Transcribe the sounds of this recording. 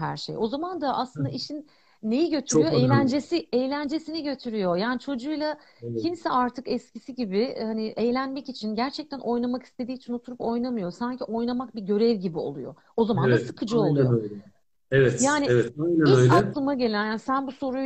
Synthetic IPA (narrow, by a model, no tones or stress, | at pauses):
ɦæɾʃejo̞zamand̪aʔa̰slˠɯnd̪a̰iʃinː | e̞jiɟø̞t̪ʰyɾyjoejlʲænd͡ʒesiejlʲænd͡ʒe̞siniɟø̞t̪ʰyɾyjo̞jaːnit͡ʃʰo̞d͡ʒujlˠa | cʰimsɛaɾt̪ʰɯkɛscʰisiɟibihaniʔejlʲænmɛcit͡ʃʰinɟæɾt͡ʃʰɛc̚t̪ʰænʔo̞jnˠamaki̥st̪ʰe̞d̪iːt͡ʃʰino̞t̪ʰuɾupo̞jnamɯjo̞saɲcʰiʔo̞jnˠamak̚biɟø̞ɾɛvɟibio̞̰lˠujo̰ | o̞zamand̪asɯkʰɯd͡ʒɯolˠjolɛ | evɛt̪jaːnievɛt̪ajnæøjlaɛkllˠɯmaɟe̞lʲænjaːnsænbuso̞ɾu